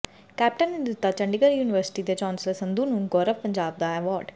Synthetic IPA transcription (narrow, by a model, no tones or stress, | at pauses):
kɛːp̚ʈənind̪ut̪ːat͡ʃɐ̃ɳɖiɡəɾjuːniʋəɾsɪ̥ʈid̪et͡ʃãːnsəlsɐ̃nd̪uːnunɡɔːɾəʋpɐɲd͡ʒaːb̚d̪aɛʋɔːɾɖ